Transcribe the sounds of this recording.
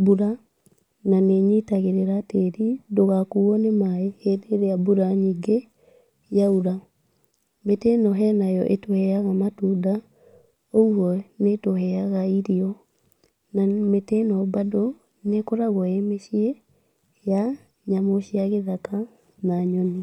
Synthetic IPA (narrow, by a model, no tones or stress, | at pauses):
buɾa | naneɲitaɣeɾeɾateɾidoɣakuɔnemaehedeɾeabuɾaɲiɡe | jauɾa | metɛnɔɦɛnajɔʔetohɛaɣamatuda | ouɔnetohɛaɣaiɾiɔ | nametɛnɔbado | nekoɾaɣɔemeʃiɛ | ja | ɲamoʃiaɣeðaka | naɲɔni